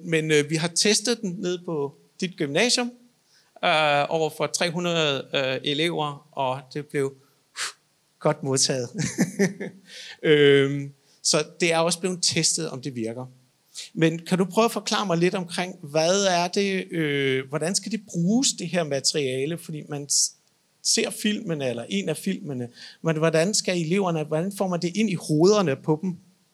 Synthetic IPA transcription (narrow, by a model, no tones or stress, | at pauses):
menʋiɦɑ̈t͡sʰesd̥ð̩ˠd̥enne̝ð̰ˠpʰɒ̽ | d̥id̥̚ɡ̥ymnɛ̰ːɕjɔ̽m | øɒʊ̰ɐfɒ̽t͡sʰʁɛ̰ːɦunʁɐð̩ˠøe̝le̝ʊ̰ɐɒ̽d̥e̝b̥le̝ʊ | ɡ̥ɒ̽d̥mo̝ðˠt͡sʰɛ̰ːð̩ˠ | ø | sɒ̽d̥e̝æɐɒ̽sb̥le̝ʊn̩t͡sʰesd̥ð̞̩ˠɒ̽md̥e̝ʋiɐɡ̥ɐ | menkʰædupʰʁœʊfɒ̽kʰl̥ɑ̰̈ːmɑ̈ɪle̝d̥ɒ̽mkʰʁeŋ̰ʋæðˠæɐd̥e̝øʋɒɾ̥ænsɡ̥æd̥e̝b̥ʁuːsd̥e̝ɦeɐ̰mæt͡sʰʁiɛːləfɒd̥ḭːmæn | se̝ɐ̰fil̰mənəelɐʔe̝næfil̰mənəʋɒdænsɡ̥æe̝le̝ʊ̰ɐnəʋɒd̥ænfɒ̰ːmænd̥e̝ʔe̝n̰iho̝ːð̞ˠɐnəpʰɒ̽b̥m̩